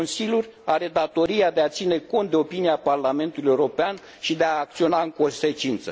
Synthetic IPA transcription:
onsilʲjurʲaɾe̞d̪at̪o̞ɾiad̪e̞at̪sine̞ko̞nt̪̚d̪eo̞piniaparlame̞nt̪uluje̞uɾo̞pean | ʃid̪e̞aːk̚t̪sio̞naɨŋko̞nse̞t͡ʃint̪sə

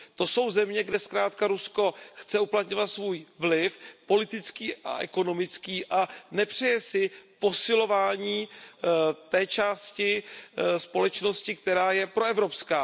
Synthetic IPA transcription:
t̪o̞so̞wzɛmɲɛɡdɛskɾaːt̪̚kaɾusko̞xt͡sɛuplat̪ɲo̞vat̪svuːjvlɪfpo̞lɪt̪ɪt͡skiːʔa̰ʔɛ̰ko̞no̞mɪt͡skiːʔanɛpr̝̥ɛjɛsɪpo̞sɪlo̞vaːɲiː | t̪ɛːt͡ʃaːscɪspo̞lɛt͡ʃno̞scɪk̚t̪ɛɾaːjɛpɾo̞ɛvɾo̞pskaː

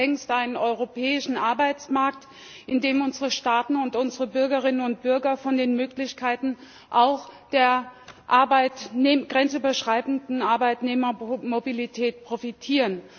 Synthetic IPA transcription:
ɛŋstʔaɪnənɔʏʁopʰɛːɪʃn̩ʔaɐbaɪt͡smaɐk̚t | ʔɪndeːmʊnzəʁəʃtaːtn̩ʊntʔʊnzəʁəbʏɐɡɐʁ̞ɪnənʊnt̚b̥ʏɐɡɐfɔndeːnmøːklɪçkʰaɪtn̩ | ʔaʊxd̥eːɐʔaɐbaɪtːɡ̥ʁɛnt͡syːbɐʃʁ̥aɪbn̩dn̩aɐbaɪtneːmɐmobilitʰɛːt̚pʁ̥ofitʰiːʁən

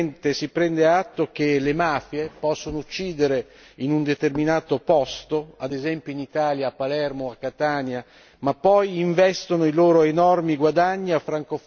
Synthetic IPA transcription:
nt̪esipɾɛnd̪eat̪ːok̟elemaːfjepɔsːonout͡ʃːiːd̪eɾe | inund̪et̪erminaːt̪opɔst̪oad̪ezɛmpjoinit̪aːljaːpːalɛrmoakːat̪aːnja | mapːɔjiɱvɛst̪onoiloːɾoenɔrmiɡwad̪aɲːiafːɾaŋkof

